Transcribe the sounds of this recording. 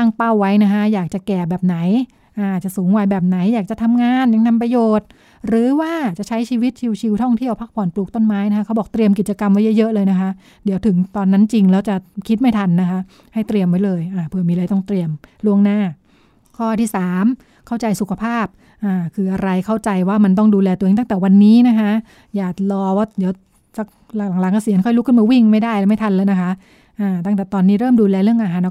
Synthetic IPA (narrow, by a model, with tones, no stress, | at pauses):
t̪aː˥˩ŋpa˥˩wːa˦˥jna˦˥kʰa˦˥jaː˨˩k̚t͡ɕa˨˩kɛː˨˩bɛː˨˩p̚na˩˦j | ʔaː˧˩ʔt̪̚t͡ɕa˨˩suː˩˦ŋwaː˧jbɛː˨˩p̚na˩˦jːaː˨˩k̚t͡ɕa˨˩t̪ʰa˧mŋaː˧nja˨˩ŋt̪ʰa˧mpɾa˧joː˨˩t̪̚ | ɾɯː˨˦waː˥˩t͡ɕa˨˩t͡ɕʰa˦˥jt͡ɕʰiː˧wi˦˥t̪̚t͡ɕʰi˧wt͡ɕʰi˧wt̪ʰɔ˥˩ŋt̪ʰi˥˩əwpʰa˦˥˩kpʰɔː˨˩nplu˨˩t̪o˥˩nmaː˦˥jna˥kʰa˦˥kʰa˦˥wbɔ˨˩k̚t̪ɾi˧əmki˨˩t̪̚t͡ɕa˧ka˧mwa˦˥jɤ˦˥jɤ˦˥ʔlɤː˧jna˦˥kʰa˦˥ʔ | di˩˦wt̪ʰɯ˩˦ŋt̪ɔː˧nːa˦˥nt͡ɕi˧ŋlɛː˦˥wt͡ɕa˨˩kʰi˦˥t̪̚ma˥˩jt̪ʰa˧nːa˦˥kʰa˦˥ʔ | ha˥˩jt̪ɾi˧əmwa˦˥jlɤː˧jʔaː˧˩pʰɯ˧˩miː˧lːjt̪ɔ˥˩ŋt̪ɾi˧əmlu˥˩əŋnaː˥˩ | kʰɔː˥˩t̪ʰiː˥˩saː˩˦m | kʰa˥˩wt͡ɕa˧jsu˨˩kʰa˧pʰaː˥˩p̚ | ʔaː˧˩kʰɯː˧ʔa˧ɾa˧jkʰa˥˩wt͡ɕa˧jwaː˥˩ma˧nt̪̬ɔ˥˩ŋduː˧lɛː˧t̪u˧˨˧ŋt̪a˥˩ŋt̪ɛː˨˩wa˧nːiː˦˥na˦˥kʰa˦˥ | jaː˨˩k̚lɔː˧waː˥˩di˨˩˦w | sa˦k̚ | lla˨˩˦ŋlaː˨˦ŋkɔː˧˥˩si˨˩˦ənkʰɔ˥˩jlu˦˥kʰɯ˥˩maː˧wi˥˩ŋma˥˩jdaː˥˩jlɛː˧˦˥ma˥˩jt̪ʰa˧nlɤː˧jna˦˥kʰa˦˥ʔ | ʔaː˧˩t̪a˥˩ŋt̪ɛː˨˩t̪ɔː˧nːiː˦˥ɾɤː˥˩mduː˧lɛː˧ɾɯ˥˩əŋʔa˧ɦaː˨˦n˧